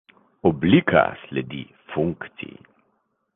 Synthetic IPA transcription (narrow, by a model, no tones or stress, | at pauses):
ɔblikʰa̰slɛd̪iː | fuŋkt̪sḭj